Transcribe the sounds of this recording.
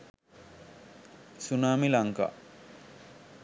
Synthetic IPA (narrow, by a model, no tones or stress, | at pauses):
sunaːmilaŋka̰ː